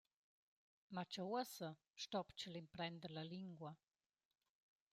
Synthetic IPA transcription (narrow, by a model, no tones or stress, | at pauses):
mat͡ʃawəsə | ʃtɔpt͡ʃəlimpɾɛnd̪əɾlaliŋɡwɐ